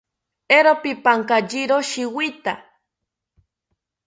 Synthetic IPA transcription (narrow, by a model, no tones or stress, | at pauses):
eɾopipaŋkad͡ʒiɾoʃiwit̪a